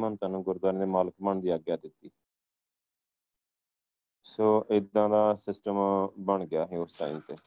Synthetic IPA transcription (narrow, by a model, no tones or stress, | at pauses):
mənt̪aːnũːɡʊɾd̪aːnẽːd̪eːmaːləkməɳd̪iːaːɡjaːd̪ɪt̪ːiː | soːʔɪd̪ãːd̪aːsɪsʈəmbəɳɡɪjaːɦeːʊst̪ã̰ːḭ̃ːt̪eː